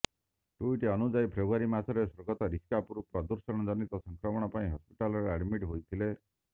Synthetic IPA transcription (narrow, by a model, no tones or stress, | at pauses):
ʈuiʈeɔnud͡ʒajpʰɾebaɾimasɔɾesɔɾɡɔt̪ɔɾiskapuɾupɾɔd̪uɾsɔɽ̃ɔd͡ʒɔnit̪ɔsɔŋkɾɔmɔɽ̃ɔpaĩɦɔspiʈalɔɾeaɽmiʈɦojt̪ʰile